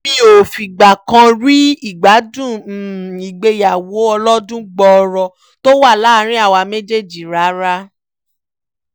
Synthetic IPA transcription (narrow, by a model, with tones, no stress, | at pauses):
b̥i˦o˨fi˨ɡ͡ba˨kã˧ɾi˦i˦˨ɡ͡ba˨˦dũ˦˨i˨ɡ͡be˧ja˨wo˨˦ɔ˧lɔ˦dũ˦ɡ͡bɔ˧ɔ˧ɾɔ˧ | to˦wa˦˨la˦ɾ̃ĩ˦a˦˨wa˧me˦d͡ʒe˦˨d͡ʒi˨ɾa˨˦ɾa˦